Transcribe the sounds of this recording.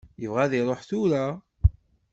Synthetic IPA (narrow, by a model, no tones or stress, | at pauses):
jəvʁæðiɾˤoħθuɾa